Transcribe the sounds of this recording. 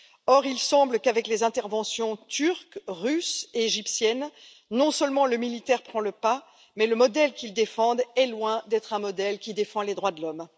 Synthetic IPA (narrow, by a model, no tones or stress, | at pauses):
ɔʁilsɑ̃bləkavɛklezɛ̃t̪ɛʁvɑ̃sjɔ̃t̪yʁkʁyseʒipsjɛnː | ɔ̃səlmɑ̃ləmilit̪ɛʁpχɑ̃ləpa | mɛləmɔd̪ɛlkʲild̪efɑ̃d̪ɛlwɛ̃d̪ɛt̪χɛ̃mɔd̪ɛlkʲid̪efɑ̃led̪ʁwad̪əlɔm